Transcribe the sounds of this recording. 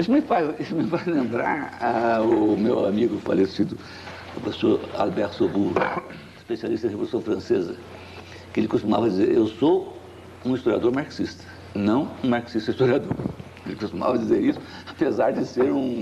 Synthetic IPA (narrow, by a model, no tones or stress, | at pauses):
eʃʊmɪfajesʊmɪ̃fajlẽmbɾa̰ɾaʊmewa̰miɡʊpa̰lesid̪ʊ | pɾofesoɾa̰lbɛɾt̪obu | spesialist̪ɐd̪ɪhevolusɐ̃w̃fɾɐ̃sezɐ̰ | kɪelɪkost̪umavɐd͡ʒizḛɾewso | ũist̪oɾia̰d̪oɾmaɾksist̪ɐ̥ | nɐ̃w̃ũmaɾksist̪ɐist̪oɾiad̪oɾ | elɪkost̪uma̰vɐd͡ʒizeɾisʊ̥ | apezaɾd͡ʒɪseɾũ